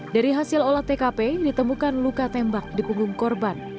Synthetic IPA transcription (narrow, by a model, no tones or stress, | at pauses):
daɾiɦasɪlolaht̪ekapedit̪əmukanlukat̪ɛmbak̚dipuŋɡʊŋkɔrban